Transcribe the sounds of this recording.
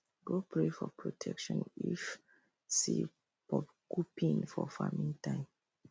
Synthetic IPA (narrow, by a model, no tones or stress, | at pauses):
ɡopʰɹefɔpʰɹotʰɛkʃɔ̃nif | si | pɔ | kupĩnfɔfamĩŋtãɪ̃m